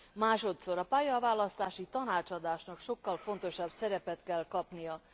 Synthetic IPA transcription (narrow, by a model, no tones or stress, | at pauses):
maːʃo̞t̪so̞ɾɒpaːjɒvaːlɒst̪aːʃit̪ɒnaːt͡ʃɒd̪aːʃnɒkʃo̞kːɒlfo̞n̪t̪o̞ʃɒbsɛɾɛpɛt̪kɛlkɒpnijɒ